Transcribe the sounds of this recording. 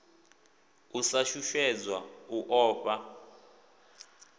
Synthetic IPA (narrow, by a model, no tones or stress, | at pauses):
usaʃuʃwɛd͡zwauʔɔːpʼa